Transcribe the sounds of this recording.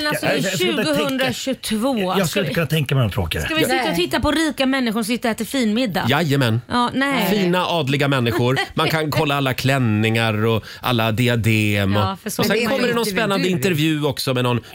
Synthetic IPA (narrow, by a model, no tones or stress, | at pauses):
nasɔʉːɡʊɦɵnd̪ɾaɕɵt̪ʰvoːjɑskɵlɪkʰɵnat̪ʰɛŋkamɛnɔmt̪ʰɾo̰ːkaɾskavɪɪt̪ːaɔt̪ʰɪt̪ːapɔɾiːkamɛnːɪɧʊsɪt̪ːəɾɛt̪ːəɾfiːnmɪd̪ːa̰jajəmɛnːnɛfiːnaʔɑːd̪lɪɡamɛnːɪɧʊɾmankʰankʰɔlːaalːakʰlɛnːɪŋaɾɔ | ʔa̰lːad̪ɪad̪eːmɔfəsɔsɛnkʰɔmːəɖɛnɔnspɛnːand̪əɪnt̪ɛɾvjʉ̟ːɔksɔmɛnɔn